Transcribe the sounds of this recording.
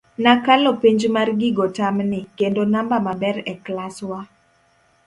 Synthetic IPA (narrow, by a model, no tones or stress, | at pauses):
nakalopiɲd͡ʒmarɡɪɡotamnɪkendonambamabɛɾɛklaswa